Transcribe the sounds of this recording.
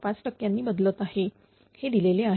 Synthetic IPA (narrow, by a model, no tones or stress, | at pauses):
pat͡sʈəkjanːiːbəd̪lət̪ahe | hed̪ileleaɦ